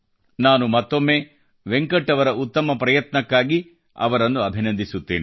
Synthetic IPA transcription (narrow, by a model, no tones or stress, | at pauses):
naːnumɐt̪ːo̞mːe̞ː | ʋeŋkɐʈːɐʋɐɾɐʔut̪ːɐmɐpɾɐjɐt̪nɐkːaːɡi | ɐ̰ʋɐɾɐnːuɐbʱinɐnd̪ʱisut̪ːeːni